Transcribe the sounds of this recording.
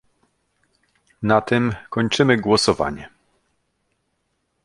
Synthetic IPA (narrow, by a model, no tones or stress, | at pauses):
nat̪ɘmkɔɲt͡ʂɘmɘɡwɔsɔva̰ɲɛ